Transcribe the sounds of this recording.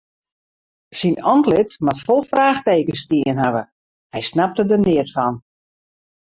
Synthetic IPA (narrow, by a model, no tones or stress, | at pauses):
sinɔntlɪtmatfɔlˠfraːxteːkəstiənɦaʋə | hɛjsnap̚tədərnɪətfɔn